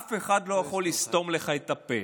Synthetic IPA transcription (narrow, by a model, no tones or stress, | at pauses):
feχad̪lo̞jaχo̞list̪o̞mleχajet̪ɐpe